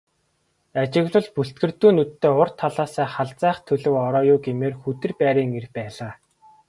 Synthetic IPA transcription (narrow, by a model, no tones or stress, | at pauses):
at͡ɕɪ̆ɣɮʊ̆ɮpuɬt̪̚ɡɘ̆rt̪uːnut̪ʰːeːʊr̥t̪ʰaɮaːsæːχaɮt͡sæːχt̪ʰɵɮɵ̆wɔɾɔːjʊːɡemeːrxut̪ɘ̆rpæːɾiːŋerxpæːɮaː